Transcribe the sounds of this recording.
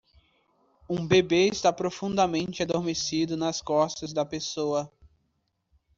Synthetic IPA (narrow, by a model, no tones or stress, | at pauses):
ũbebeɪst̪apɾofũnd̪ɐmẽnt͡ʃɪad̪oɾmesid̪ʊnɐskɔst̪ɐzd̪ɐpesoɐ